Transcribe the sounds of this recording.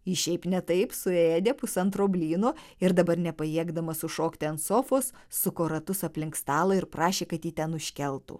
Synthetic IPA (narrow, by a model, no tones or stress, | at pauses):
ɪʃʲɛɪpnʲɛt̪ɐɪpsʊeːd̪ʲepʊsɐnt̪ɾoːbʲlʲiːnoːɪɾd̪ɐbɐɾnʲɛpɐjiɛɡd̪ɐmɐsʊʃoːkt̪ʲɪɐnt̪soːfoːs | sʊkoːɾɐt̪ʊsɐpʲlʲɪŋkst̪ɑːlˠɐɪɾpɾɑːʃʲeːkɐt̪jiːt̪ʲɛnʊʃʲkʲɛlˠt̪ṵː